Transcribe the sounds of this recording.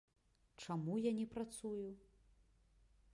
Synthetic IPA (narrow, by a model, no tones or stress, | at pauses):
t͡ʂamujanʲɛpɾat̪suju